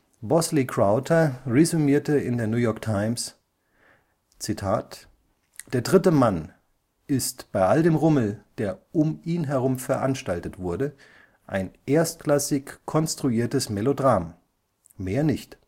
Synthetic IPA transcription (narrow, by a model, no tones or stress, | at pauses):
bɔslikʁ̥aʊtʰɐʁezumiːɐtəɪndeːɐnjuːjɔɐk̚tʰaɪms | t͡sitʰaːt | d̥eːɐdʁɪtəman | ʔɪstb̥aɪʔaldeːmʁʊml̩d̥eːɐʔʊmiːnɦɛʁ̞ʊmfɛɐʔanʃtaltətv̥ʊɐdə | ʔa̰ɪnʔeːɐstklasɪçkʰːɔnstʁ̥uiːɐtəsmɛlodʁaːmː | eːɐnɪçt